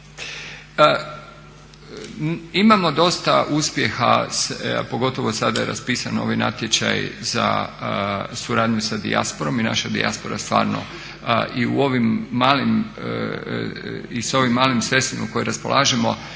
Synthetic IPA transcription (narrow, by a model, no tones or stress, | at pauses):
imamo̞d̪o̞st̪aʔuspjexa̰spo̞ɡo̞t̪o̞ʋosad̪ajeɾa̰spiːsanoʋajna̰t̪je̞t͡ɕa̰jza̰ | suɾaːd̪ɲusad̪ḭa̰spoɾo̞mina̰ʃad̪ḭʔa̰spo̞ɾa̰st̪ʋa̰ːɾno̰ | ʔiṵo̞ʋimːaːlim | iso̞ʋimːaːlimsest̪imuko̞jɾaspo̞lʔaːʒemo̞̰